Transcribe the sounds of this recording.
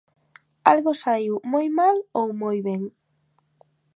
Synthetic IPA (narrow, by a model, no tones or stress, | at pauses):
alɣosaiwmojmalowmojβɛŋ